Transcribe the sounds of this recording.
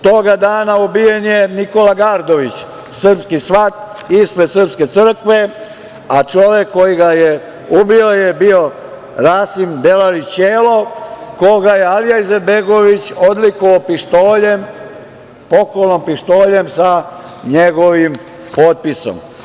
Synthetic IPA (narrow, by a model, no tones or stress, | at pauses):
t̪o̞ɡad̪aːnaubijenjeniko̞laɡaːɾd̪o̞ʋit͡ɕ | sr̩pskisʋaːt̪̚ | ispɾed̪sr̩pske̞t̪sr̩kʋe̞ | at͡ʃo̞ʋje̞kːo̞jiɡaje | ubio̞jebio̞ | ɾasimd̪elaɾit͡ɕeːlo̞koɡajealijaize̞d̪̚be̞ɡo̞ʋit͡ɕo̞d̪likoopiʃt̪oːʎem | po̞kolnompiʃt̪o̞ːʎe̞msa | ɲe̞ɡo̞ʋim | po̞ːt̪̚piso̰m